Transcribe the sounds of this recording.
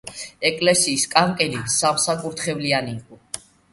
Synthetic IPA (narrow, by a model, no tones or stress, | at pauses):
ɛkʼlɛsiːskʼaŋkʼɛlisamsakʼuɾt̪ʰχɛvlianiqʼu